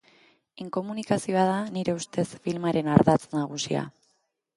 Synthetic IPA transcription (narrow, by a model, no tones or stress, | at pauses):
iŋko̞munikasio̞að̞aniɾe̞ust̪e̞sfilmaɾe̞naɾðat͡snaɣ̞usia̰